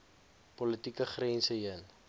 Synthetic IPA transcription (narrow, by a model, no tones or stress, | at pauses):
pɔlətikəχrɛnsəɦiən